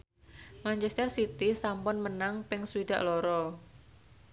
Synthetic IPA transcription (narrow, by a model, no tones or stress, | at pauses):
mant͡ʃɛst̪ərsit̪isampʊnmənaŋpɪŋswidaʔlɔɾɔ